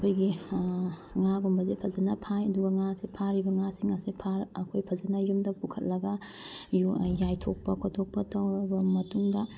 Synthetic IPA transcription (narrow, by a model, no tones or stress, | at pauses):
kʰojɡi | ŋaɡumbɐzepʰɐzɐnɐpʰajɐduɡɐŋasepʰaɾibɐŋasiŋasepʰaɾɐkʰojpʰɐzɐnɐjumdɐpʰukʰɐt̚lɐɡɐjujajtʰok̚pɐkʰotʰok̚pɐtɐwɾɐbɐmɐtuŋdɐ